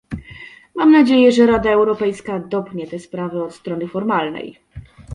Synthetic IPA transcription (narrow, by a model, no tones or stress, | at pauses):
mamnad͡ʑejɛʐɛɾad̪aɛwɾɔpɛjskad̪ɔp̚kɲɛt̪ɛspɾavɘɔt̪st̪ɾɔnɘfɔɾmalnɛ̰j